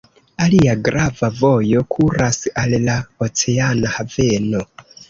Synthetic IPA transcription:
alijaɡɾavavojokʰuɾasialilaot͡seanahaveno

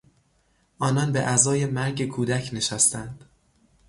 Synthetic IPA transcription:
ʔɒːnɒnbeʔæzɒːje̞mæɾɟe̞kʰuːd̪æcʰne̞ʃæst̪ænd̪̥

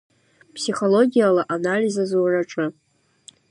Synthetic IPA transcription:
pʰsiχo̞lo̞ɡʲijalaʔanalizazwaraʈ͡ʂʼɨ

